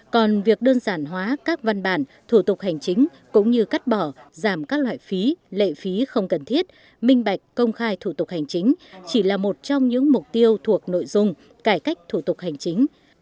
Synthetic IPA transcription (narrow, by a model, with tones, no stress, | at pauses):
kɔ˨˩nvi˨˩ək̚ɗəː˧nzaː˧˩nɦwaː˨˦kaː˦˥k̚va˧nɓaː˧˩n | t̪ʰu˧˩t̪ʊ˨˩k̚ha˨˩jŋ̟t͡ɕï˨˦ŋ̟ | kʊ̰˧˥ŋ͡mɲɨ˧ka˦˥k̚ɓɔː˧˩zaː˧˩mkaː˦˥k̚la̰ː˧˨jfi˨˦lḛ˧˨fi˨˦xə˧wŋ͡mkə˨˩nt̪ʰi˦˥ət̚ | mï˧ŋ̟ɓa˨˩jk̟̚kə˧wŋ͡mxaː˧jt̪ʰu˧˩t̪ʊ˨˩k̚ha˨˩jŋ̟t͡ɕï˨˦ŋ̟t͡ɕi˧˩laː˨˩mo˨˩t̚t͡ɕɔ˧wŋ͡mɲɨ̰˧˥ŋmʊ˨˩k͡p̚t̪i˧əwt̪ʰu˨˩ək̚no̰˧˨jzʊ˧ŋ͡m | kaː˧˩jka˦˥k̟̚t̪ʰu˧˩t̪ʊ˨˩k̚ha˨˩jŋ̟t͡ɕï˨˦ŋ̟